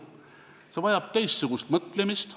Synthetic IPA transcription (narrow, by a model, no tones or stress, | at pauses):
se̞vɑjɑb̥̚t̪ejst̪suɡ̥ust̪mɤt̪lemist̪